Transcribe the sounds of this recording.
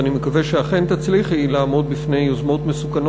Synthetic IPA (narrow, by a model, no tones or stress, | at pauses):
animekaveʃeaχe̞nt̪at͡sliχhilaːmo̞d̪̚bifne̞jozmo̞t̪mesukan